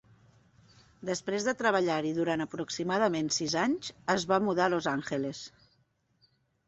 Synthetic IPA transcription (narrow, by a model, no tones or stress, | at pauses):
d̪əspɾezðət̪ɾəβəʎaɾiðuɾanəpɾuksimaðəmensizaɲzəzβamuðalozaŋxeles